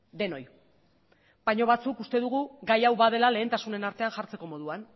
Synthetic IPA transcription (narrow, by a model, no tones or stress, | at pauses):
d̪e̞no̞j | baɲo̞β̞at͡sukust̪e̞ðuɣ̞uɡajawβað̞e̞lale̞ːnt̪asune̞naɾt̪e̞anʝaɾt͡se̞ko̞mo̞ð̞uan